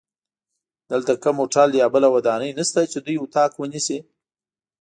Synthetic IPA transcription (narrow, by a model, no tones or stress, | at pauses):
d̪̥əlt̪akamoʈɑljɑbəlawad̪ɑnəjnəst̪at͡ʃed̪ujʊt̪ɑkwənisi